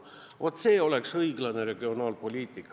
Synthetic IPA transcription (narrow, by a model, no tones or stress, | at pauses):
vot̪ːˑse̞ːo̞lɛksɤjiɡlɑne̞ɾe̞ɡ̥io̞nɑːlpo̞lʲiːt̪ˑikːˑ